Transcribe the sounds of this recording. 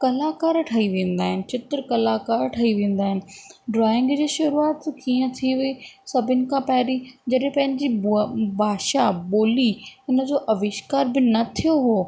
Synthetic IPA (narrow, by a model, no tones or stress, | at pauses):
kɐlaːkaːɾʈʰɐiʋẽːn̆d̪aːɦɪnɪ̆t͡ɕɪt̪ɾkɐlaːkaːɾʈʰɐiʋẽːn̆d̪aːɦɪnɪ̆ɖɾaːɪ̃ŋɡd͡ʑeːʃʊɾuaːt̪kiːə̃t̪ʰiʋɪisɐbʱɪnɪ̆kʰãpɐɦɾid͡ʑɐɗɦɪ̃pɐ̃ɦɪ̃ɲd͡ʑibaːʃaɓoːliɪnə̆d͡ʑoːʔɐʋɪʃkaːɾbɪnɐt̪ʰijoɦoː